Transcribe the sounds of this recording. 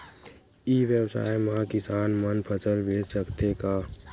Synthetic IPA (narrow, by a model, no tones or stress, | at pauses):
iːʋjəwsa̰ːjmãkɪsaːnmənpʰət͡ʃəɾbʱeːd͡ʒsəkt̪ekaː